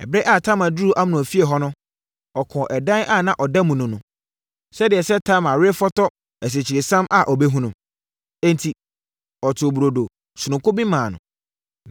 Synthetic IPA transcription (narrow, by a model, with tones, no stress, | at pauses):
ɛ̰˨bɾɛ˦ʔa˦˨tʰã˦mã˨du˦˨ʔa˦m˨nʊ̃˨fi˦e˨ɦɔ˦nʊ̃˦ | ɔ˨kʰɔ̃˨ʔɛ˨dã˦nʔa˦˨nã˦ʔɔ˨da˦mũ˨nʊ̃˨nʊ̃˨ | sɛ˦dɪ˨ɛ˨sɛ˦tʰa˦˨mã˨ɾɪ˦fɔ˦tʰɔ˦ | æ˨s̬e˨t͡ɕʰi˨ɾɪ˨sã˦mʔa˦˨ʔɔ˨be˦ɦũ˦nʊ̃˨ | ɛ̃˦n˨tʰi˨ | ɔ˨tʰʊ˨bu˨ɾo˨do˨ | sʊ˨nʊ̃˨kʰʊ˦bĩ˦mãː˨nʊ̰̃˨